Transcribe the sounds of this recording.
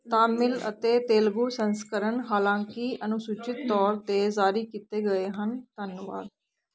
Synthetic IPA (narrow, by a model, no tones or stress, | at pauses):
t̪aːmɪlə̰t̪eːt̪eːlɡuːsənskəɾənɦaːlãːŋkiənʊsʊt͡ʃɪt̪ːɔːɾt̪eːzaːɾiːkit̪eːɡəeːɦənt̪ənʋa̰ːd̪